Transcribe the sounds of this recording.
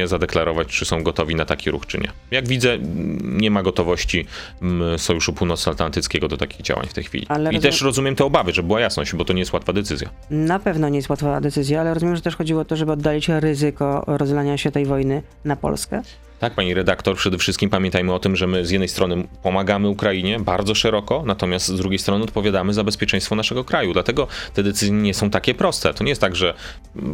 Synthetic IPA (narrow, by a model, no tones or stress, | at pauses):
ɛzad̪ɛklaɾɔvat͡ɕt͡ʂɨsɔ̃w̃ɡɔt̪ɔvʲinat̪akʲiɾṵxt͡ʂɘ̰ɲɛ̰ | jaɡvʲid̪zɛɲɛmaɡɔt̪ɔvɔɕt͡ɕi | sɔjuʂupuwnɔt̪sat̪lant̪ɘt̪skʲɛɡɔd̪ɔt̪akʲiɣd͡ʑa̰wa̰ɲft̪ɛjxfʲḭlʲḭalɾit̪ɛʂɾɔzumʲjɛmt̪ɛɔbavɘʐɛbɘwajasnɔɕd͡ʑbɔt̪ɔɲɛjɛst̪wat̪fad̪ɛt̪sɘzʲja̰ | napɛvnɔɲɛjɛst̪wat̪fad̪ɛt̪sɘzʲjaalɛɾɔzumʲjɛmʐɛt̪ɛʂxɔd͡ʑiwɔɔt̪ɔʐɛbɘɔd̪ːalʲit͡ɕɾɘzɘkɔɾɔzɛlaɲaɕɛt̪ɛjvɔjnɘ | napɔ̰lskɛ̰ | t̪ak̚paɲiɾɛd̪akt̪ɔɾpʂɛd̪ɛfʂɘst̪kʲimpamʲjɛ̃nt̪ajmɘɔt̪ɘmʐɛmɘzjɛd̪nɛjst̪ɾɔnɘpɔmaɡamɘukɾaiɲɛbaɾd̪zɔʂɛɾɔkɔnat̪ɔmʲjast̪zd̪ɾuɡʲejst̪ɾɔnɘɔt̪̚pɔvʲjad̪amɘzabɛspʲjɛt͡ʂɛj̃st̪fɔnaʂɛɡɔkɾajud̪lat̪ɛɡɔt̪ɛd̪ɛt̪sɘzjɛɲɛsɔ̃w̃t̪akʲɛpɾɔst̪ɛt̪ɔɲɛjɛst̪aɡʐɛ